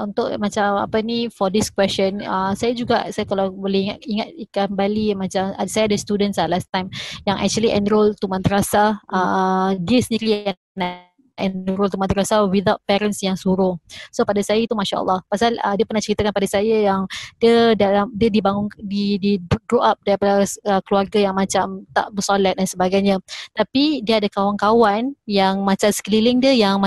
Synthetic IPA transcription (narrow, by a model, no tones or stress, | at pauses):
unt̪ʊʔmat͡ʃama̰pənifɔdiskwɛst͡ʃɔnəsajad͡ʒuɡasajakalawbolɛhiŋatiŋat̪̚kambalimãt͡ʃama̰sajadəst̪udə̃nsalast̪ãjmjaŋʔɛ̰k̚t͡ʃuəliʔɛ̰̃nɾolt̪umãnt̪əɾasaʔədiəsəndiɾia | n | ʔɛ̃nɾolt̪umãnt̪əɾasawiðaʊt̪̚pɛɾənsjaŋsuɾʊŋsopadasajait̪umaʃa̰ʔə̰lˠːɑhpasalə̰diəpərnaht͡ʃəɾit̪akanpadasajajaŋdiədalamdiədibaŋʊŋdidiɡɾoʔap̚daɾipadaəkəluarɡajaŋmãt͡ʃamt̪a̰ʔbəsolat̪̚dansəbaɡajɲãt̪apidiəadakawankawanjaŋmãt͡ʃamsklilɪŋdiəjaŋmã